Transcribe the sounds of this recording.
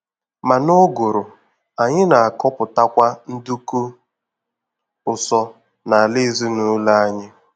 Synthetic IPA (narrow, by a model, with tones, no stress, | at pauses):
ma˨no˦ɡo˨ɾʊ˨ | a˨ɲɪ˦na˨a˨kɔ˦pʊ˨ta˦kʷa˦n̩˦du˦ku˦ | ʊ˨sɔ˦ | na˨a˨lɪ˦zi˦nu˦la˦a˦ɲɪ˦